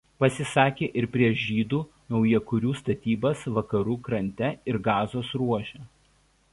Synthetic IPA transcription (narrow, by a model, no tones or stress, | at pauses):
pɐsʲɪsɑːkʲeːʔɪɾpʲɾʲiɛʃʒʲiːd̪uː | nɒʊjɛkʊɾʲuːst̪ɐt̪ʲiːbɐsʋɐkɐɾuːkɾɐnʲt̪ʲɛɪɾɡɑːzoːsɾuɔʃʲɛː